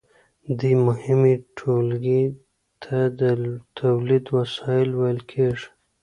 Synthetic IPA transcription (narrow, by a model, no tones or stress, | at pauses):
d̪ijmʊhɪmiʈʰolɡi | t̪ʰad̪ət̪ʰawlid̪wasɑɪlwajlkʰeʐ